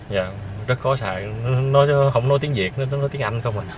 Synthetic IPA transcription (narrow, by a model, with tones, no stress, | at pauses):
za̰ː˨˩zə˦˥t̚xɔ˨˦sa̰ː˧˨jnɔ˨˦hə̰˧˩wŋ͡mnɔ˨˦jt̪i˨˦əŋzi˨˩ək̚n˨˦nɔ˨˦t̪i˨˦əŋʔa˧jŋ̟xə˧wŋ͡ma˨˩